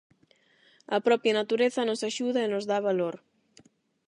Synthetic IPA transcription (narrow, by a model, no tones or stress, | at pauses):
ɐpɾɔpjanat̪uɾeθɐnosaʃuðaenozðaβaloɾ